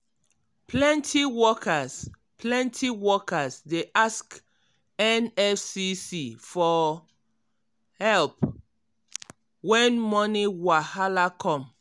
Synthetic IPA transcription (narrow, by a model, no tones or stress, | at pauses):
pʰlɛ̃ntʰiwɔkas | pʰlɛ̃ntʰiwɔkasdeʔask | ɛnɛfsisifɔ | hɛlp | wɛ̃nmɔniwahalakʰɔ̃m